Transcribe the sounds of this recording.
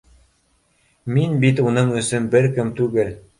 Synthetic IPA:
minbit̪unɤɴɵ̆sɵnbɘɾkɘmt̪ʉɡɘl

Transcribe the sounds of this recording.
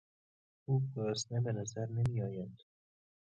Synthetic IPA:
uːbɡɒːsnebenæzæɾnemiːɒːjænd̪̥

